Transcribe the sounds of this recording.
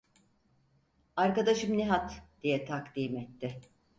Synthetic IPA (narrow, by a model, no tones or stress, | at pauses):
aɾkad̪aʃɯmniɦat̪d̪̥ijɛt̪ʰakt̪iːmɛt̪ʰːɪ